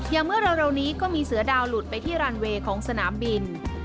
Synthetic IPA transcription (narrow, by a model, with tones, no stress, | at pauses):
jaː˨˩ŋmɯ˥˩əɾa˧wɾe˧wniː˦˥kɔː˥˩miː˧sɯ˩˦ɐdaː˧wlu˨˩t̪̚pa˧jt̪ʰiː˥˩ɾaː˧nweː˧kʰɔː˩˦ŋsa˧naː˩˦mbi˧n